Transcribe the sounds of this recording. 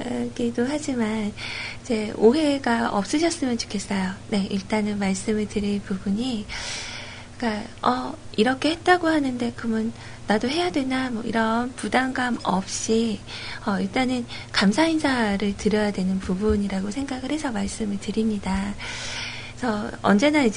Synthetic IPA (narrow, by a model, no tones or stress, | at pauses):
ʌkedoɦad͡ʑimanid͡ʑe̞oɦe̞ɡaʌp̚s͈ɯɕʰʌs͈ɯmjʌnt͡ɕo̥kʰe̞s͈ʌjone̞iɭt͈anɯnmaɭs͈ɯmɯɭtɯɾinpubuɲi | k͈aʌiɾʌkʰe̞het̚t͈aɡohanɯnde̞kɯmʌnː | adoɦe̞jadwe̞namwʌiɾʌnpudaŋɡamʌp̚ɕ͈iʌiɭt͈anɯnkamsʰainsʰaɾɯɭtɯɾjʌjadwe̞nɯnpubuɲiɾaɡosʰe̞ŋɡaɡɯɭhe̞sʰʌmaɭs͈ɯmɯɭtɯɾimɲida | sʰʌʌ̰nd͡ʑe̞naid͡ʑ